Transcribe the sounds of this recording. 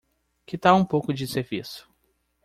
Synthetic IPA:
kɪt̪aũpowkʊd͡ʒɪseɾvisʊ̥

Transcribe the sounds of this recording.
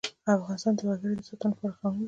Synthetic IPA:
afɣɑnɪst̪ɑnd̪əwaɡəɾid̪əsat̪anpaɾxɑnu

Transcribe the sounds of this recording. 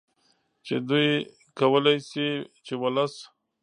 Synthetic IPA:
t͡ʃed̪uj | kawəlajsit͡ʃewalas

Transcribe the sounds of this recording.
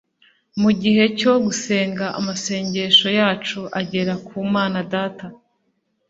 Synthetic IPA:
muɟihe̞co̞ɡuse̞ːŋɡaʔa̰mase̞ːɲɟe̞ʃo̞jaːt͡ʃuʔaɟe̞ɾakuːmaːnadaːta

